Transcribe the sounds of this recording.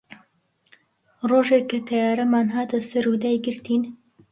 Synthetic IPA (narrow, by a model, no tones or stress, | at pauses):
roːʒekːɐt̪ʰɐjaːɾɐmaːnɦaːt̪ɐsɐɾud̪aːjɡɨɾt̪iːn